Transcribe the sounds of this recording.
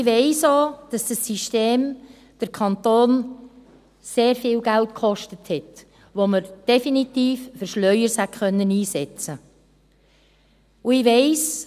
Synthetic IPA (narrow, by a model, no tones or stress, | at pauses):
ɪʋeɪsoːd̥ɑsd̥ɑsːiʃteːm | d̥əɾkʰɑntoːn | seːɾfɪːlɡæltkχɔʃtəthɛt | ʋoməɾd̥ɛfinit̪iːffəɾʃlœʏəɾshætχœnːəniːsɛt͡sə | uɪʋeɪs